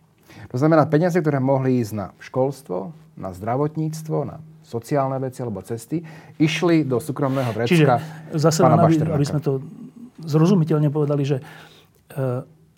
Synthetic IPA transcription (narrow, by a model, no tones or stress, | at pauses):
t̪ɔznamɛnaːpɛɲɪazɛk̚t̪ɔɾɛːmɔɦliiːzɟna̰fʃkɔlst̪ʋɔ̰na̰zd̪ɾaʋɔt̪ɲiːt͡st̪ʋɔna̰sɔt͡siaːlnɛʋɛt͡sialɛbɔt͡sɛst̪iiʃlid̪ɔsuːkɾɔmnɛːɦɔʋɾɛt͡ʃiʒɛkazasɛpaːnanababiɾɾabizmɛt̪ɔ | zɾɔzumicɛʎɲɛpɔʋɛd̪aliʒɛ